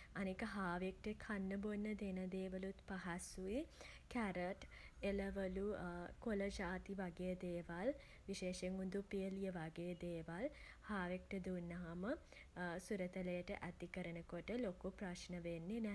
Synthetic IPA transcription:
anekəɦaːʋek̚ʈekʰanːəbonːəd̪enɐd̪eːʋəlut̪paɦasuikæɾəʈeləʋəlukoləd͡ʒaːt̪iʋaɡejəd̪eːʋal | ʋiʃeːʃeŋɡund̪upijəlijəʋaɡeːəd̪eːʋal | haːʋek̚ʈəd̪unːɐɦamə | suɾət̪ələjəʈə̰ʔæt̪ikəɾənəkoʈəlokupɾaʃnəʋenːenɛ

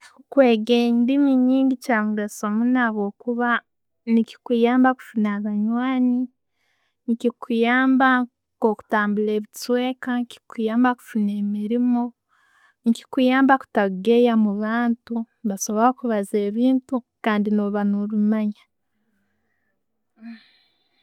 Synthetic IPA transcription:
kwe̞ːɡeːɲdimiɲiːŋɡicaːmuɡasomunaβo̞ːkuβa | nici̥kijaːmbaku̥funaβaɲwaːni | ncikʰujaːmba | ko̞ku̥taːmbule̞ːβit͡sweːkaŋki̥kujaːmbaku̥funeːmiɾimo̞ | nci̥kujaːmbaku̥taɡe̞jamuβaːntu | βaso̞βoɾokuβaze̞ːβiːntu | kaːndinoːβanoɾumaɲa

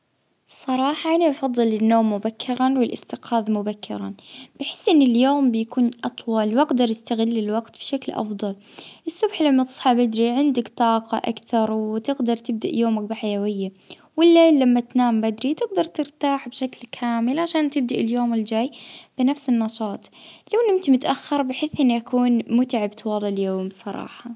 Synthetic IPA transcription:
sˤɑɾˤɑːħɑʔaniɑfɑðˤːɨlɪnːoːmːʊbakʰːɪɾˤanwɪlʔɪst̪ɪqaːðˤmʊbakːɪ̰ɾa̰nb̥ɪħɪ̥sːʔɪnːɪljoːmbɪjakuːnʔɑt̪ˤwɑlwaɡd̪ɑɾˤjɪst̪aɣɪlːɪlwaɡt̪b̥ʃaklʔɑ̰fd̪ˤɑlʔɪsːʊbħlamːat̪ɨ̥sˤħɑbɪd̪ɾiʕɪnd̪ɪkt̪ˤɑːqɑ̰ʔa̰kθɑɾˤwt̪ɪɡd̪ɑɾˤt̪ɪb̚d̪a̰ʔjoːmakbɪħajawɪjːa | wɪlːalamːat̪naːmbad̪ɾit̪ɪɡd̪ɑɾˤt̪ɪɾt̪aːħbʃaklkʰaːmɪlʕaʃaːnt̪ɪb̚d̪aʔɪljoːmɪld͡ʒaːjb̥ɪnafsɪnːɑʃɑːt̪ˤlawnʔɪmt̪imʊt̪ʔaxːɑɾˤbɪħɪːθʔɪnːʔakuːnmʊt̪ʕabt̪wɑlːɪljoːmmsˤɑɾˤɑ̰ːħɑ

